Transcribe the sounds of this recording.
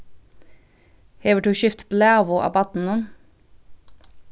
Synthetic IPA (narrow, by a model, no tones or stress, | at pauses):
hɛːʋəʈuːʃʏft̪blæːʋʊʔɑ̰ːbɑt̪n̩ən